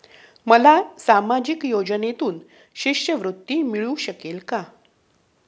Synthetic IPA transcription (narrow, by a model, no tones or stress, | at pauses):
məlasamad͡ʑikjod͡ʑənet̪uːn | ɕiʂjəʋɾut̪ːimiɭuɕəkelka